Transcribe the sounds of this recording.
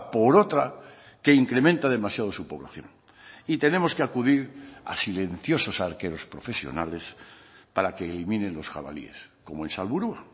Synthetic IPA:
po̞ɾo̞t̪ɾa | ke̞iŋkɾe̞mẽnt̪að̞e̞masjað̞o̞supo̞βlaθjo̞̰ŋ | it̪e̞ne̞mo̞skeakuðiɾa̰sile̞n̟θjo̞so̞saɾke̞ɾo̞spɾo̞fe̞sjo̞̰nale̞spaɾake̞ːlimĩnenlo̞sxa̰βa̰lḭe̞̰sko̞moensalβuɾua

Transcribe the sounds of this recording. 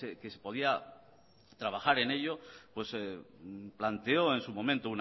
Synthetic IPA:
ekesepo̞ðia | t̪ɾaβaxaɾe̞ne̞ʎopwe̞s | plant̪e̞o̞e̞nsumõ̞mẽnt̪oun

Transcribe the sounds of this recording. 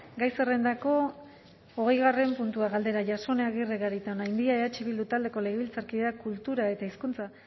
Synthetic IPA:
ɡajsere̞nd̪ako̞ | oɣe̞jɣ̞are̞mpunt̪uaɣald̪e̞ɾaʝaso̞neaɣireɣaɾit̪aonajnd̪iaeat͡ʃiβild̪ut̪ald̪e̞ko̞le̞ɣeβilt͡saɾkiðeakult̪uɾae̞t̪aiskunt͡sa

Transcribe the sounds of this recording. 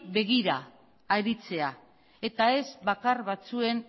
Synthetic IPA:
be̞ɣ̞iɾaː | ɾit͡se̞a | e̞t̪ae̞zβakarβat͡sue̞n

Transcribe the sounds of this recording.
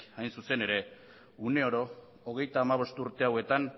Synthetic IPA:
ajnsuse̞ne̞ɾe̞ | une̞o̞ɾo̞ː | ɣ̞e̞jt̪aːmaβ̞o̞st̪uɾt̪e̞awe̞t̪an

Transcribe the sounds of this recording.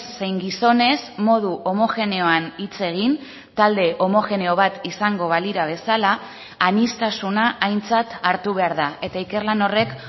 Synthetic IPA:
se̞jŋɡiso̞ne̞smo̞ð̞uʔo̞mo̞xe̞ne̞o̞anit͡se̞ɣ̞in | t̪ald̪e̞ʔo̞mo̞xe̞ne̞o̞β̞at̪isaŋɡo̞βaliɾaβ̞e̞sala | anist̪asunaʔajnt͡sat̪aɾt̪uβe̞aɾðae̞t̪aike̞rlano̞re̞k

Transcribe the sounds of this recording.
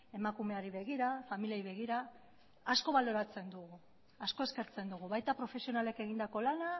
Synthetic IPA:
e̞makume̞aɾiβ̞e̞ɣ̞iɾafamiliajβe̞ɣ̞iɾaː | sko̞βalo̞ɾat͡se̞nd̪uɣu | asko̞e̞ske̞ɾt͡se̞nd̪uɣ̞uβajt̪apɾo̞fe̞sio̞nale̞ke̞ɣ̞ind̪ako̞lana

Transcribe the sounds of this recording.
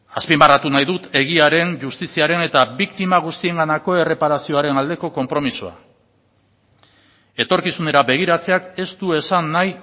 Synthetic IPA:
aspimarat̪unajðut̪e̞ɣ̞iaɾe̞nʝust̪isiaɾe̞ne̞t̪aβikt̪imaɣ̞ust̪ie̞ŋɡanako̞e̞re̞paɾasio̞aɾe̞nald̪e̞ko̞ko̞mpɾo̞misua̰ | e̞t̪o̞ɾkisune̞ɾabe̞ɣ̞iɾat͡se̞ake̞st̪ue̞sanːaj

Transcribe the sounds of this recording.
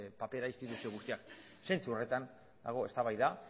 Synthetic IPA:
pape̞ɾaist̪it̪usioɣust̪iak | se̞nt͡suore̞t̪an | d̪a̰ɣ̞o̞e̞st̪aβajða

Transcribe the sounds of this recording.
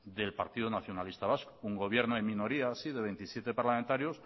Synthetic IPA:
ðe̞lpa̰ɾt̪iðonaθjo̞nalist̪aβaskuŋɡo̞β̞je̞ɾnoemĩno̞ɾiasiðe̞βe̞jnt̪isje̞t̪e̞paɾlament̪aɾjo̞s

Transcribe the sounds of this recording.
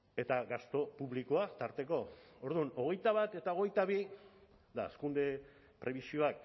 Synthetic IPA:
e̞t̪aɣast̪o̞puβliko̞at̪aɾt̪e̞ko̞oɾðuno̞ɣ̞e̞jt̪aβ̞at̪e̞t̪ao̞ɣe̞jt̪aβi | d̪askund̪e̞ | pɾe̞β̞isio̞ak

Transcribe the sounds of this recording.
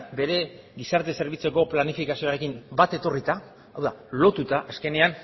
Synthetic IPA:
be̞ɾe̞ | ɡisaɾt̪e̞se̞ɾβ̞it͡se̞ko̞planifikasio̞aɾe̞kimbat̪e̞t̪o̞rit̪aː | wðalo̞t̪ut̪aʔaske̞ne̞an

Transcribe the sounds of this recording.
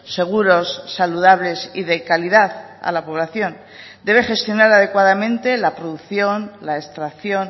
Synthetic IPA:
se̞ɣ̞uɾo̞sːaluðaβle̞sḭðe̞kaliðaθ | a̰lapo̞β̞laθjo̞n | d̪e̞βe̞χe̞st̪jo̞naɾað̞e̞kwaðamẽ̞nt̪e̞lapɾo̞ðuθjo̞nlae̞st̪ɾaθjo̞n

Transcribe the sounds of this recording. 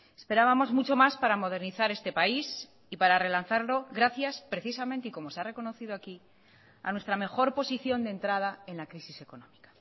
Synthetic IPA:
e̞spe̞ɾaβamo̞zmut͡ʃo̞maspaɾamo̞ð̞e̞ɾniθaɾe̞st̪e̞pais | ipaɾare̞lanθaɾlo̞ɣɾaθjaspɾe̞θisamẽnt̪e̞iko̞mo̞seare̞ko̞no̞θiðoaki | a̰nwe̞st̪ɾame̞xo̞ɾpo̞siθjo̞nd̪ent̪ɾað̞ae̞nlakɾisise̞ko̞nõmikḁ

